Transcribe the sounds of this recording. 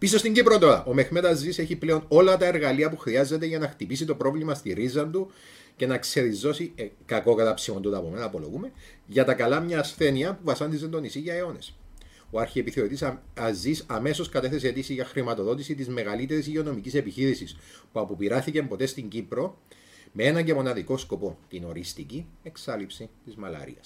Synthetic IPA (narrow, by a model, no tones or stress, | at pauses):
pis̬o̞st̪iɲɟipɾot̪o̞ɾɐ̰ʔome̞xme̞t̪ɐzːise̞çiple̞o̞no̞lɐt̪ɐe̞ɾɣɐliɐpuxɾiɐzːe̞t̪e̞ʝɐnɐxt̪ipis̬it̪o̞pɾo̞vlimɐst̪iɾizːɐnd̪u | ce̞nɐkse̞ɾizo̞sikɐko̞kɐt̪ɐpsimo̞nd̪ut̪ɐpomenɐːpolo̞̰ɣume̞ | ʝɐt̪ɐkɐlɐmɲɐːsθe̞niɐpuvɐsɐnd̪izend̪o̞nisiʝɐeo̞ne̞s | oɐɾçiepiθeot̪isɐzːisɐme̞so̞skɐt̪e̞θes̬eet̪isiʝɐxɾimɐt̪o̞ðo̞t̪isit̪izme̞ɣɐlit̪e̞ɾis̬ʝeo̞no̞micise̞piçiɾisispuɐpopiɾɐθicempo̞t̪e̞st̪iɲɟipɾo̞ | mee̞nɐɲɟe̞mo̞nɐðiko̞sko̞po̞t̪ino̞ɾist̪icieksɐlipsit̪izmɐlɐ̰ɾḭɐ̰s